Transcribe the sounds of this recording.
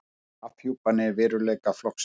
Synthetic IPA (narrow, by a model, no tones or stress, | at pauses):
afhjuwpanɪvɪːɾʏlɛːjkaflɔhks